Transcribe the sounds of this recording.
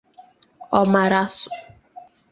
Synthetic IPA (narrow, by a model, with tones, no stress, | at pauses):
ɔ˦ma˨ɾa˦sʊ̥˨